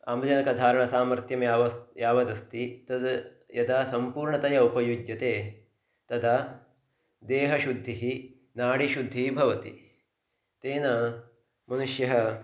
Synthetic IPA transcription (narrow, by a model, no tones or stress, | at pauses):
a̰ːmɐd͡ʒɐnɐkɐd̪ʱaːɾɐɳɐsaːmɐɾt̪jɐmjaʋɐjaːʋɐd̪ɐst̪it̪ɐd̪ | jɐd̪aːsɐmpuːɾɳɐt̪ɐjɐupɐjud͡ʒjɐt̪eː | t̪ɐd̪a | d̪eːɦɐʃud̪ʱːiɦi | naːɽiʃud̪ʱːibʱɐʋɐt̪ḭ | t̪eːnɐ | mɐnuʃjɐɦɐ